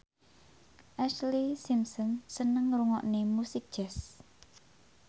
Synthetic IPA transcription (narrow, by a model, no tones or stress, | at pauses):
ʔɛʃlisimsɔnsənəŋruŋɔʔnemusik̚d̥ʒ̥ɛs